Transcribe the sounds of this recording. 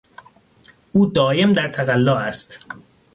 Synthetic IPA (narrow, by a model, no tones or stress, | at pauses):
ʔuːd̪ɒːje̞md̪æɾt̪ʰæɣælːɒːæst̪